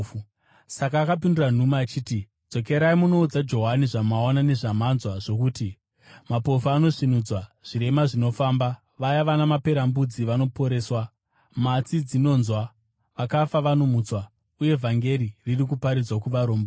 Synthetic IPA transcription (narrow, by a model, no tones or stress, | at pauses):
sakaːkapinduran̤umaːt͡ʃiːti̥ | d͡zo̞k̬e̞ɾaimuno̞ud͡zad͡ʒo̞ɦaniʐamaonane̞ʐamanzwaʐo̞kuːti | mapo̞fuano̞ʂinud͡zwaʐ̥iɾe̞maʐino̞faːmba | ʋajaʋanamape̞ɾambud͡ziʋano̞po̞ɾe̞ːswa | mat͡sid͡zino̞ːnzwa | ʋakafaʋano̞mut͡swa | uje̞vʱaŋɡe̞ɾiririkupaɾid͡zwakuʋaɾo̞ːmbo